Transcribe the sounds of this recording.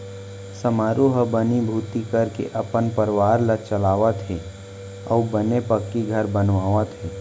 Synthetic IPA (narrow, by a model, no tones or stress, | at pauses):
sɐmaːɾuɦəbənibʱuːt̪ikəɾkḛʔɐpənpəɾʋaːɾlət͡ʃəlaːʋət̪ɦeː | ɔːbənepɐkːiɡʱɐɾbənʋaːʋət̪ʰɦeː